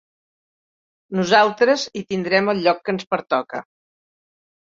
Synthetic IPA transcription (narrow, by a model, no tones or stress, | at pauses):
nuzalˠt̪ɾəzit̪ind̪ɾɛməlˠʎɔkːənspəɾt̪ɔkə